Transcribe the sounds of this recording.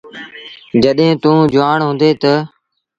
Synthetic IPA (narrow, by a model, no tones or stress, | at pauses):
d͡ʒəɗɦẽːt̪ũːd͡ʒʊaːɳɦʊ̃ːnd̪eːt̪ə